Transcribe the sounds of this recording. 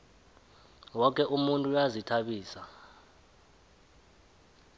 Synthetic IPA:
wɔk̬ʼɛʔumuntʼujazitʰaɓiːsa

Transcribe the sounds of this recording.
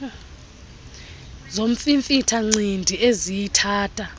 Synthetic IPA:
zom̩fiɱfitʰaŋ͡ǀindʱiezijitʰaːtʰʼa

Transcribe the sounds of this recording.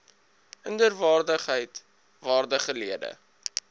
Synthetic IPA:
əndərvɑːrdəχɦəjt | vɑːrdəχəliədə̰

